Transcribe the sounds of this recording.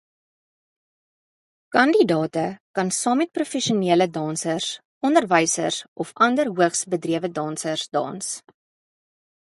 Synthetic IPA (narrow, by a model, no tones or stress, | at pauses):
kɐndidɑːtəkɐnsɑːmɛt̚prufɛʃiəniələdɑːnsərs | ɔndərvɛjsə̰sʔɔfɐndərɦuəχsbədriəvədɑːnsərsdɑ̰ːns